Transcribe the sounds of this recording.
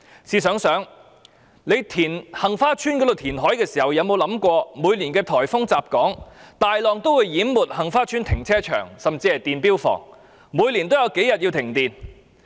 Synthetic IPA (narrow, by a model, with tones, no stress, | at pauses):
siː˨˧sœː˨˥ŋsœː˨˥ŋ | le˨˧jt̪ʰiː˨˩nhɐ˨˩ŋfaː˥t͡ʃʰyː˥nkɔ˨˥d̪o˨wt̪ʰiː˨˩nɦɔː˨˥jkɛː˧siː˨˩hɐ˨˩wjɐ˨˧wmo˨˧wlɐ˨˥mkʷɔː˧muː˨˧jli˨˩nkɛː˧t̪ʰɔː˨˩jfʊ˥ŋt͡saː˨p̚kɔː˨˥ŋt̪aː˨jlɔː˨ŋt̪o˥wuː˨˧jːiː˨˥mmːuː˨˩t̚hɐ˨˩ŋfaː˥t͡ʃʰy˥nt̪ʰɪ˨˩ŋt͡sʰɛː˥t͡ʃʰœ̰ː˨˩ŋsɐ˨mt͡siː˧hɐ˨jt̪iː˨˩npiː˥wfɔ̰ː˨˩ŋ | muː˨˧jliː˨˩nt̪o˥wjɐ˨˧wke˨˥jɐ˨t̚ji˧wt̪ʰɪ˨˩ŋt̪iː˨n